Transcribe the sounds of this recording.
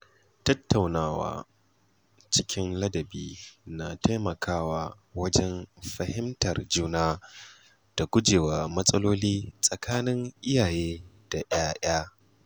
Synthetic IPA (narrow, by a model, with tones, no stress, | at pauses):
tɐ˦tːa˨wnaː˦wa̰ː˦ | t͡ʃɪ˦kʲʰɪ˦nlɐ˦dɐ˨biː˦na˨tʰa˦mɐ˨kʰaː˦waː˦ | wɐ˦d͡ʒɛ˦nɸɐ˨hɪ˦mtɐ˨rd͡ʒuː˦naː˦ | d̥a˨ɡʷʊ˦d͡ʒeː˨wa˨mɐ˦sʼɐ˦loː˦liː˦sʼɐ˨kʰaː˦nɪ˦ŋʔɪ˦jaː˨jeː˦d̥a˨ʔj̰aː˦ʔaː˦